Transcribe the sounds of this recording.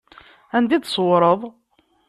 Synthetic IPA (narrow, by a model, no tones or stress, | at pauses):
ænd̪id̪sˤwɾˤəðˤ